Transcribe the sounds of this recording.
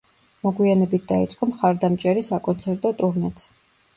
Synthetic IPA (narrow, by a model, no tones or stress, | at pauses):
mɔɡwianɛbit̪̚ʰd̪ait̪sʼqʼɔmχaɾd̪amt͡ʃʼɛɾisakʼɔnt̪sʰɛɾt̪ʼɔt̪ʼuɾnɛt̪sʰ